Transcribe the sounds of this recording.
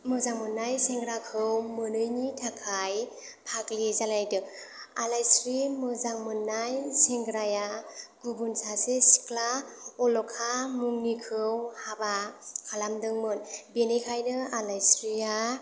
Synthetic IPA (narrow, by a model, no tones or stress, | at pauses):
mɯzaŋmɯnːajseŋɡɾakʰɯwmɯnɯjnitʰakʰaj | pʰaklizalajdɯ | alajsɾimɯzaŋmɯnːajseŋɡɾajaɡubunsasesi̥klaɔlɔkʰamuŋnikʰɯwhabakʰalamdɯŋmɯnbenekʰajnɯalajsɾia